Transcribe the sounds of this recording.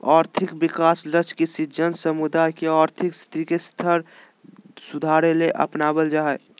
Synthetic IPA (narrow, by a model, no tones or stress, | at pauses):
ɔːɾt̪ʰɪkbɪkaːslət͡ʃkisid͡ʒənsəmud̪aɪkeaːɾt̪ʰɪkst̪ikest̪ʰəɾ | sud̪ʱaɾeleʔə̰pnabəld͡ʒa